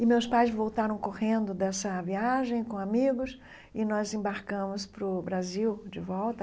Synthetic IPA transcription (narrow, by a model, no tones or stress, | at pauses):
ɪmewspajzvowt̪aɾɐ̃w̃kohẽnd̪ʊd̪ɛsɐviaʒẽj̃kõamiɡʊs | ɪnɔzẽbaɾkɐ̃mʊspɾʊbɾaziwd͡ʒɪvɔwt̪ɐ